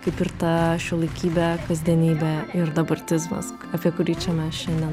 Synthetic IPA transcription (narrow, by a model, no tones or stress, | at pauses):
kɐɪpɪɾt̪ɐʃʲʊlˠɐɪkʲiːbʲɛkɐzʲd̪ʲiɛnʲiːbʲɛɪɾd̪ɐbɐrʲt̪ʲɪzmɐ̰s | ɐpʲiɛkʊɾʲiːt͡ʃʲɛmʲɛsʃʲɛnʲd̪ʲɛn